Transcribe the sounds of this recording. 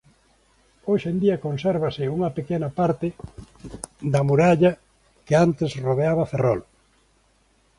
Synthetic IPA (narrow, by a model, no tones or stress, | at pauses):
oʃend̪iɐkonsɛɾβɐsɪuŋɐpekenɐpaɾt̪ɪ | ðɐmuɾaʎɐ | keant̪ɪsroðeaβɐferɔ̰l